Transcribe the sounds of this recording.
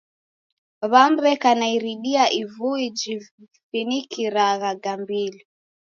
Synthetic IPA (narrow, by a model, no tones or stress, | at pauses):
βambɛkanaiɾiɗiaʔivuid͡ʒi | finikiɾaɣaɡambili